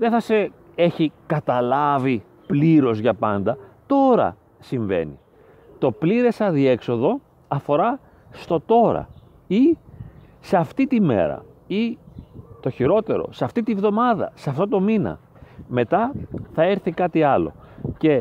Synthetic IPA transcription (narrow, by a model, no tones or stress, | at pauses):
ðeθɐse̞ | e̞çikɐt̪ɐlɐvi | pliɾo̞zʝɐpɐnd̪ɐt̪o̞ɾɐ̰ | siɱve̞̰nḭ | t̪o̞pliɾe̞sɐðie̞kso̞ðo̞ | ɐfo̞ɾɐ | st̪o̞t̪o̞ɾɐ̰ | i | seɐft̪it̪ime̞̰ɾɐ̰i | t̪o̞çiɾo̞t̪e̞ɾo̞̰sɐft̪it̪ivðo̞mɐðɐ̰sɐft̪o̞t̪o̞minɐ̰ | me̞t̪ɐθɐe̞ɾθikɐt̪iɐlo̞̰ | ce̞